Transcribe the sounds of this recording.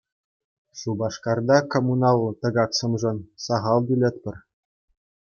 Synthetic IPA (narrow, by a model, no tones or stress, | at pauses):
ʃubɑʂkɑrd̪ɑkomunɑlˠɤt̪ɤ̆ɡɑksɤ̆mʐɤ̆nsɑʁɑlˠd̪ʲylʲet̪̚ʲpʲɘ̆rʲ